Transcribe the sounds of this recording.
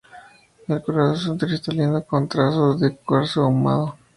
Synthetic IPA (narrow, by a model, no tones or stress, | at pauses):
elkuɾaðosunt̪ɾist̪alind̪okont̪ɾasoðekweɾsouma̰ðo